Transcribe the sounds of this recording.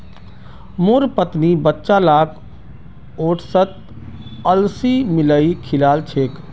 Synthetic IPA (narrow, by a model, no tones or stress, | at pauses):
moːɾpət̪nibətːʃalaːkʰ | oːʈʰsət̪ | əlsimɪləikʰɪlaːlt͡ʃʰeːk